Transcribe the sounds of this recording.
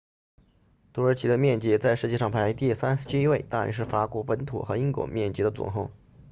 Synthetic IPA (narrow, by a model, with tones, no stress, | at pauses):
t̪ʰu˧˥ə˧˥t͡ɕʰi˧˥d̪ə˧mjɛ˥˩nt͡ɕi˧˥t͡sa˥˧ɪʂɻ̩˥˧t͡ɕjɛ˥˧ʂɑ˥˩ŋpʰa˧˥ɪt̪i˥˩sa˥nʂt͡ɕʰi˥i˥we˥˩ɪt̪a˥˩ɻə̰˧˥nʂɻ̩˥˩fa˧˥kwɔ˧˥pə˧˥nt̪ʰṵ˨˩xɤ˧˥i˥ŋkwɔ̰˨˧˥mjɛ˥˩nt͡ɕi˧˥d̪ə˧t͡sʊ̰˨˩ŋxo˥˩ʊ